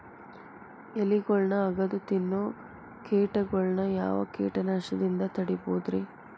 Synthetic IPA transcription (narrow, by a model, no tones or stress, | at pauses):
eliɡɔɭɳɐːɡɐd̪ut̪inːu | keːʈɐɡɔɭɳɐja̰ːʋɐ̰kḛːʈɐnaːʂɐd̪ind̪ɐt̪ɐɽibuːd̪ɾi